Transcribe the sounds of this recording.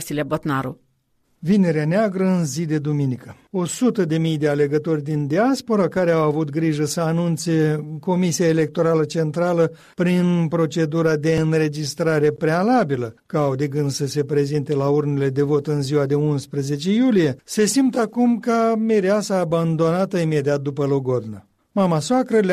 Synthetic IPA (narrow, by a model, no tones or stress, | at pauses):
silʲeabot̪naɾṵ | vine̞ɾeaneaɡɾəɨnzid̪e̞d̪uminikə | o̞sut̪əd̪e̞mijd̪e̞ale̞ɡət̪o̞rʲd̪ind̪iaspo̞ɾakaɾe̞awavut̪̚ɡɾiʒəsəanunt̪se̞ko̞misiaele̞k̚t̪o̞ɾalət͡ʃe̞nt̪ɾalə | pɾinpɾo̞t͡ʃe̞d̪uɾad̪e̞ɨnɾe̞d͡ʒist̪ɾaɾe̞pɾe̞alabiləkawd̪eɡɨnd̪səse̞pɾe̞zint̪e̞laurnele̞d̪e̞vo̞t̪ɨnziwad̪e̞unspɾəze̞t͡ʃe̞julije̞se̞simt̪əakumkameɾeasaːband̪o̞nat̪əime̞d̪iat̪̚d̪upəlo̞ɡo̞d̪na | mamasoakɾəl